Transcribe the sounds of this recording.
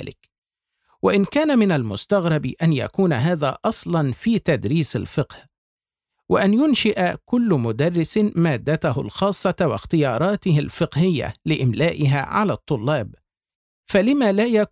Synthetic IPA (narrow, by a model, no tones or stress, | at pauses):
lɪ̰k | waʔɪnkaːnamɪnalmʊst̪aɣɾˤɑbiʔanja̰kuːnaɦaːða̰ːʔɑsˤlɑnfiːt̪ad̪ɾiːsa̰lfɪqh | waʔanjʊnʃɪʔakʊlːʊmʊd̪ɑrˤːɪsmaːd̪ːat̪ʊhʊ̰lxɑːsˤːɑwɪ̰xt̪ɪjɑːɾˤɑːt̪ɪhɪlfɪqhɪjːa̰lɪʔɪmlaːʔɪɦa̰ːʕa̰laːt̪ˤːʊlːɑːb | falɪmaːlaːja